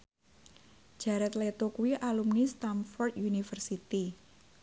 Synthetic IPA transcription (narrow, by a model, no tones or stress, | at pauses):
d͡ʒ̥a̤ɾɛt̪let̪okuwiʔalumnist̪amfɔrt̪junifərsit̪i